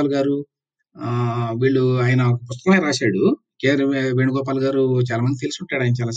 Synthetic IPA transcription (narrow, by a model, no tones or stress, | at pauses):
aːlɡaːɾu | ʋiːɭːuaːjɐnɐɔkɐpust̪ɐɾɐmɐjɾaːʃaːɽu | keːɾeʋeɳuɡɔːp̬aːlɡaːɾut͡ʃaːlaːmɐnd̪it̪elisiuɳʈːaːɽaːjinɐt͡ʃaːlaːs